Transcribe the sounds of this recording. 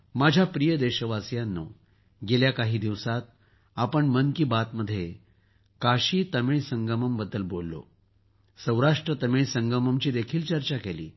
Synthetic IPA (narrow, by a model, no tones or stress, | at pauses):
mad͡ʑʱjapɾijəd̪eɕəʋasjanːə̰ | ɡeljakaɦiːd̪iʋsat̪̚ | apəɳmənkiːbat̪məd̪ʱːje | kaɕiːt̪əmeɭsəŋɡəməmbəd̪ːəlbolːo̰ | sə̃w̃ɾaʂʈɾət̪əmeɭsəŋɡəməmt͡ɕiːd̪ekʰiːlt͡ɕəɾt͡ɕakelḭː